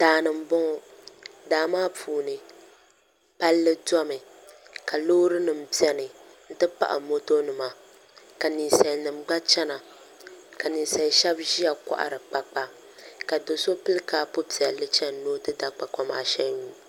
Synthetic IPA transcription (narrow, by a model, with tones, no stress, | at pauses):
taː˨nɨ˨m̩˦bɔ˦ŋɔ˨daː˨maː˦pʰuː˨nɨ˨ | pa˦lːɨ˦dɔ˦mɨ˨ | ka˨loː˦ɾɨ˦nɨ˨m̩˦˨pi˦ɛ˦nɨ˨ | n̩˦tɨ˦pa̰˦ʔa̰˨mo˦to˦nɨ˨ma˨ | ka˨ni˨sɛ˨nɨ˨m˦ɡ͡ba˦t͡ʃɛ˦na˨ | ka˨ni˨n˨sɛ˨˦ʃɛ˦bʒi˦a˨kɔ̰˦˨ʔa̰˨ɾɨ˨k͡pa˨k͡pa˨ | ka˨do˨so˦pɨ˦lɨ˦kaː˦pʊ˦pi˨ɛ˨lɨ˦t͡ʃɛ˦n˦noː˦tɨ˦da˨k͡pa˨kɔ˦ma̰ː˨ʃɛ˦u˦